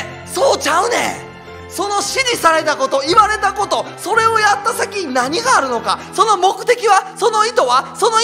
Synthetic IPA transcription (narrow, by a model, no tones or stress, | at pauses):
so̞ːt͡ɕaɯ̟nḛ | so̞no̞ɕiɲʲisaɾe̞t̪ako̞t̪o̞iβaɾe̞t̪ako̞t̪o̞so̞ɾe̞o̞jat̪ːasakʲinaɲ̟iɡaːɾɯ̟no̞ka̰so̞no̞mo̞kɯ̟t̪e̞kʲiβaso̞no̞it̪o̞βaso̞no̞